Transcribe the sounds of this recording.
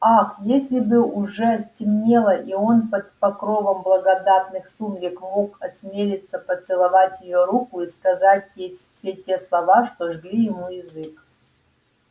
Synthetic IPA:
axjesʲlʲɪbɨʊʐɛsʲtʲɪmnʲelˠəʔio̞npət̪pɐkɾovəmblˠɐɡɐd̪at̪nɨxsuvɾʲɪkmo̞kɐsʲmʲelʲɪt̪səpət̪sɨlˠɐvatʲjɪjoɾukʊiskɐzatʲjej | sʲe̞tʲeslˠɐvaʂt̪oʐɡlʲijɪmujɪzɨk

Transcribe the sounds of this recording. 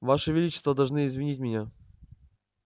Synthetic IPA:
vaʂɨvʲɪlʲit͡ɕɪ̥st̪vəd̪ɐlˠʐnɨɪzvʲɪnʲitʲmʲɪnʲa

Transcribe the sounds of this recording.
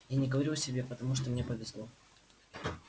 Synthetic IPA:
janʲɪɡəvɐɾʲuɐsʲɪbʲepət̪ɐmuʂt̪omnʲe̞pəvʲɪzlˠo̞

